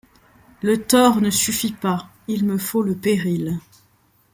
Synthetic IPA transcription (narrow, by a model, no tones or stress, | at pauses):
lət̪ɔʁnəsyfipa | ilməfoləpeʁil